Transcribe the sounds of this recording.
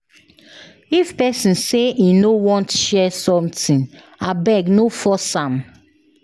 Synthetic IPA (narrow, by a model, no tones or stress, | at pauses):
ifpɛsĩnseʔinowɔ̃ntʃɛsɔ̃mtĩn | abɛɡnofɔsãm